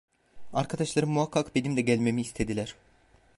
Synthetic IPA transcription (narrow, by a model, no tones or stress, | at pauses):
aɾkʰad̪aʃlˠaɾɯmmuakʰːakbe̞nimd̪ɛɟælʲme̞miːst̪ʰe̞d̪ilʲæɾ̥